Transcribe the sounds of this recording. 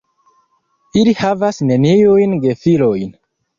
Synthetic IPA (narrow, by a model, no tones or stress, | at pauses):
ilihavasne̞niujnɡe̞filojn